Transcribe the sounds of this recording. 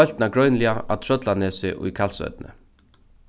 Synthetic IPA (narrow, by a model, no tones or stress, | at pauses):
œl̥t̪naɡɾœɥnlɪaa̰t̪ʰɾœt̪lanɛːsɪʔṵjkʰalsœ̰t̪̚nə̰